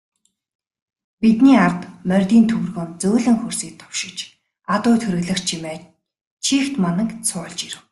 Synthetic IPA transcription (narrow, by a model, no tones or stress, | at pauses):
pit̪niːart̪mœrʲt̪iːnt̪ʰɵwrɣoːnt͡sɵːɮɘ̆ŋxɵrsiːk̚t̪ʰːʊ̥wʃɪ̆kt͡ɕ | at̪ʊːt̪ʰɵɾ̆ɣɮɘ̆xt͡ɕt͡ɕʰimeː | t͡ɕʰiːxt̪manə̆ŋkt͡sʰʊːɮt͡ɕiɾɘ̆w